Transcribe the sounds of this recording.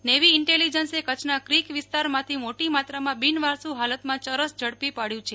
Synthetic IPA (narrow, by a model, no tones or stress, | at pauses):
neʋiɪɳʈelid͡ʒənsekət͡ʃʰnakɾikʋɪst̪aɾmãt̪ʰimoʈimat̪ɾamãbinʋaɾsũɦalət̪mãt͡ʃəɾəsd͡ʒʱəɽpipaɽjũt͡ʃʰe